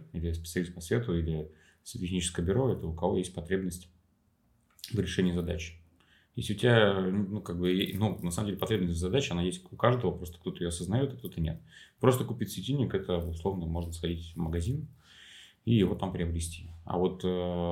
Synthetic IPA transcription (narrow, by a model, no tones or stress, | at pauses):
ilʲɪspʲɪ̥t̪sɨɐlʲist̪̚pɐsvʲe̞t̪ʊilʲɪ | sʲɪɪxnʲit͡ɕɪ̥skəjəbʲʏɾo̞ɛt̪əʊkɐvojesʲt̚ʲpɐt̪ɾʲebnəsʲtʲ | vəɾʲɪʂɛnʲɪjəzɐd̪at͡ɕɪ̥ | jḛslʲɪʊtʲɪbʲanukaɡ̚bɨnunɐsaməmdʲelʲɪpɐt̪ɾʲebnəsʲtʲzɐd̪at͡ɕɪɐnajesʲtʲʊkaʐd̪əvəpɾost̪ə̥kt̪o̞t̪əɪjoɐsəznɐjot̪ɐk̚t̪o̞t̪ənʲḛt̪̚pɾo̞st̪əkʊpʲitʲsvʲɪtʲinʲːɪkɛt̪əʊslˠo̞vnəmo̞ʐnəsxɐdʲitʲməɡɐzʲin | ijɪvo̞t̪ampɾʲɪɐbɾʲɪsʲtʲiɐ̰vo̞t̪ə